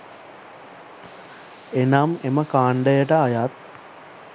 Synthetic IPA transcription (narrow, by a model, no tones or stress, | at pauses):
enameməkaːɳɖəjəʈəajat̪̚